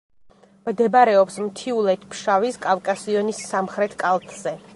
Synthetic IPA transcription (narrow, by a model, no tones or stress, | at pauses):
md̪ɛbaɾɛɔpsmt̪ʰiulˠɛt̪ʰpʰʃaviskʼavkʼasiɔnisamχɾɛt̪ʰkʼalˠt̪ʼz̥ɛ